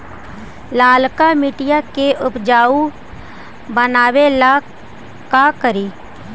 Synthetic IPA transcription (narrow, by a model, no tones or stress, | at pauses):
laːlkamiʈɪjakeʔʊpd͡ʒaːu | bənaːwela | kakəɾiː